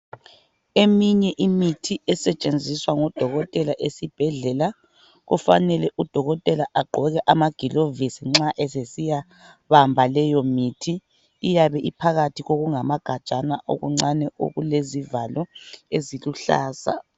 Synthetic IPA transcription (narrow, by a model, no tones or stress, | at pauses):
emiɲɛʔimitʰiʔɛsɛt͡ʃʼend͡zʱiswaŋɔd̥ʱɔɣɔtʼɛlaʔesib̥ʱɛɮɛla | ɣṵfa̰nɛlɛʔud̥ʱɔɣɔtʼɛlaʔaɡ͡ǃʱɔɣɛʔamaɡ̥ʱilovisiŋ͡ǁaʔɛsesija | βambʱalɛjɔmitʰiː | jaβɛʔipʰaɣatʰiɣoɣuŋamaɡ̥ʱḁt͡ʃʼanaʔo̰ɣṵŋ͡ǀanɛo̰ɣulezivalɔeziluɬa̰ːsa̰